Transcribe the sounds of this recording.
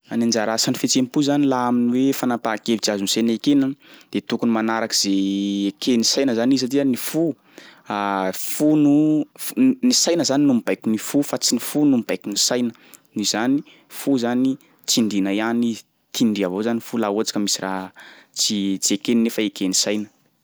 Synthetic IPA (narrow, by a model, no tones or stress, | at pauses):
anind͡ʒaɾasanifet͡sempuzanilaaminiwefanapakevit͡siazunsenekenand̪̥et̪ukunimanaɾakiz̥eekʰenisajnəzanizat̪ianifu | afunu | nisajnəzaninumib̥ajkinifufat͡sinifunumib̥ajkinisajnə | niz̥ani | fuzani | t͡siɳɖ͡ʐinajani | t̪ʰiɳɖ͡ʐiavozanifulauat͡sḁkʲəmisiraɦt͡sit͡si̥ekeninefaekenisajnə̥